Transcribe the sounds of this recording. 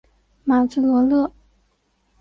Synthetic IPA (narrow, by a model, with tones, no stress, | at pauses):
ma˨˩ʈ͡ʂu˥˩lwɔ˧˥lɤ˥˩